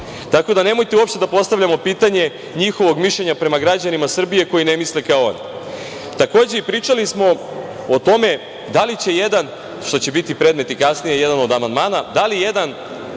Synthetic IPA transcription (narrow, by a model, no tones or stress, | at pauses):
t̪ako̞d̪anemo̞jt̪euopʃt̪e̞d̪apo̞st̪aʋʎamo̞piːt̪aɲe̞ | ɲixo̞ʋo̞ɡmiʃʎe̞ɲapɾe̞maɡɾad͡ʑanimasr̩bije̞ko̞jine̞mislekaoo̰n | t̪ako̞ːd͡ʑeipɾiːt͡ʂalismo̞ | ot̪o̞me̞ | d̪alit͡ɕe̞jed̪an | ʃt̪o̞t͡ɕebit̪ipɾe̞ːd̪me̞t̪ikasnije̞jed̪ano̞d̪amand̪maːnad̪alijed̪an